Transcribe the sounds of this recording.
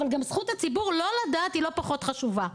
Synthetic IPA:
valɡamsχutat͡sibuʁlo̞ladaːthilo̞paχo̞t̪χaʃuva

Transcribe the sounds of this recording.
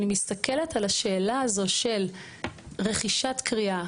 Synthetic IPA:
nimist̪ake̞le̞talaʃe̞ːlaːzo̞ʃe̞l | ʁe̞χiʃatkʁia

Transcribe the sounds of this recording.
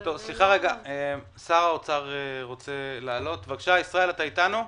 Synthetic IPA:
t̪o̞vsliχaʁe̞ɡaem | saʁaot͡saʁeʁo̞t͡se̞laːlo̞t̪vaɡʃaisʁae̞lat̪ait̪anu

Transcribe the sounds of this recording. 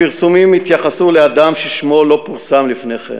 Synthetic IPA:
iʁsumimːit̪jaχasulead̪amʃeʃmo̞lo̞puʁsamlifneχḛm

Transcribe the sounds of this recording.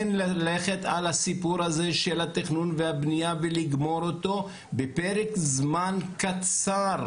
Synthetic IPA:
nlale̞χet̪alhasipuɾhazeʃelhat̪iχnunvehabnijaveliɡmo̞ɾot̪o̞ | bepeʁekzmankat͡saʁ

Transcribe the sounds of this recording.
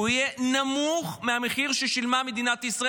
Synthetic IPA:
uijenamuχmeameχiʁʃeʃilmame̞d̪inat̪isʁa

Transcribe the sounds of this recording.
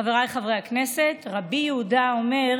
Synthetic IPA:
aveʁajχavʁehakne̞se̞tʁabijeudao̞me̞

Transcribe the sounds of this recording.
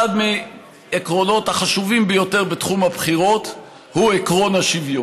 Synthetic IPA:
adme | ekʁo̞no̞thaχaʃuvimbejo̞te̞ʁbetχumabχiʁo̞t | huekʁonaʃivju

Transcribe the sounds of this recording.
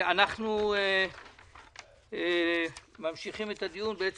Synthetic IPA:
anaχnue | mamʃiχimet̪ad̪ijunbeet͡s

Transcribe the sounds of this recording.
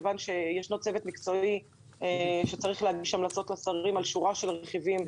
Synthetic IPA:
vanʃe̞jeʃnot͡se̞vet̪mikt͡so̞i | eʃet͡saʁiχleadɡiʃamlat͡so̞tlasaʁimalʃuʁaʃe̞lʁeχivim

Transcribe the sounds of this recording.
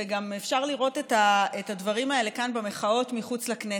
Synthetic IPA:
eɡamefʃaʁliʁo̞tetaetadvaʁimae̞le̞kanbeme̞χao̞tmiχut͡slakne

